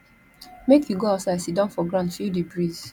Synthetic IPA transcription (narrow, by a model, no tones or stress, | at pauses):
mekjuɡoasaɪdsidãnfɔɡɹãnfudibɹiz̥